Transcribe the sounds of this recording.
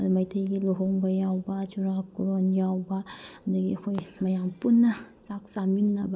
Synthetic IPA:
mɐjt̪ʰɐjɡiluɦoŋbɐjawbɐt͡ʃuɾakːuɾonjawbɐnd̪ɐɡḭɐkʰojmɐjampunːɐsaksaminːɐbɐ

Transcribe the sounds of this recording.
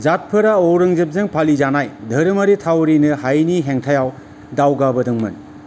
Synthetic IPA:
zat̚pʰɯɾaɔwɾɯŋzep̚zɯŋpʰalizanajdʱɐɾɯmɐɾitʰawɾinɯhajniɦeŋtʰajaw | dawɡabɐdɯŋmɯ̰n

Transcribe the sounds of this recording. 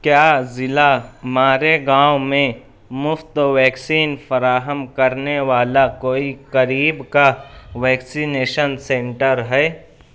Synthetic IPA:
kjaːzɪlamaːɾeɡãːwmẽ | mʊft̪ʋɛːksiːnfəɾaːɦəmkɐɾneʋaːlakoːikəɾiːbkaʋɛːksineːʃənsẽɳʈəɾɦɛː

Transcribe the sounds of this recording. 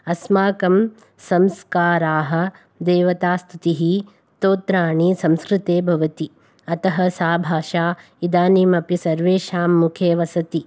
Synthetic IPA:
ɐsmaːkɐm | sɐmskaːɾaːɦɐ̆ | d̪eːʋɐt̪aːst̪ʰut̪iɦi | t̪oːt̪ɾaːɳisɐmskɾɪt̪eːbʱɐʋɐt̪i | ɐt̪ɐɦɐsaːbʱaːʃaː | id̪aːniːmɐpisɐɾʋeːʃaːmːukʰeːʋɐsɐt̪i

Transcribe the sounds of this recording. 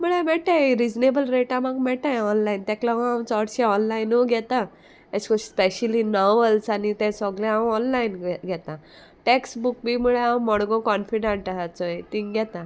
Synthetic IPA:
muɭɛmɛʈãjɾid͡ʑnebəlɾeʈãmaɡmɛʈãjɔnlaint̪ɛ̃klãɦõãwt͡sɔɽɕeɔnlainoɡʱɛt̪a | ɛskɔspeɕəlinɔʋəlsanit̪ɛ̃sɔɡlɛ̃ãwɔnlainɡʱɛt̪ã | ʈeksbuk̚bʱimuɭeãwmɔɽɡɔ̃kɔnfiɖãɳʈaɦat͡sɔet̪ĩŋɡʱɛt̪ã

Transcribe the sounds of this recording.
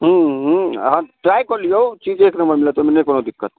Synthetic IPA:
ɦəɦãʈɾaːjkolijowt͡ʃiːd͡ʒeːknɐmbəɾmilet̪ominɐikonod̪ɪkːət̪

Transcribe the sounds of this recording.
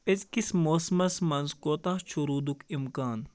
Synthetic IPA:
ezkismoːsmɐsmɐnzkoːt̪at͡ʃʰuɾuːd̪ukimkaːn

